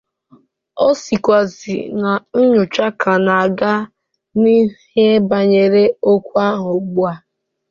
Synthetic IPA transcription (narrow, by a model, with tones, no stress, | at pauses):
ɔ˦si˨kʷa˨zḭ˨na˨n̩˦ɲʊ˨t͡ʃa˦kʰa˨na˨a˨ɡa˦ | ni˦he˦e˦ba˨ɲe˨ɾe˦o˦kʷu˦a˦ɦʊ˨ɡ͡bu˦a˨